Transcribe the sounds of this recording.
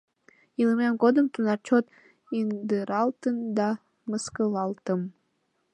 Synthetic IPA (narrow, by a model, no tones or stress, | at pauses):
iləmemɣod̪əmt̪unɑrt͡ɕot̪ | ind̪ɨɾɑlt̪ənd̪ɑ | məskəlɑlt̪əm